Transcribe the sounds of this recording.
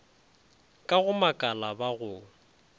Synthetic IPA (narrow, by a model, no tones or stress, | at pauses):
kʼaɣʊmakʼalabaɣʊ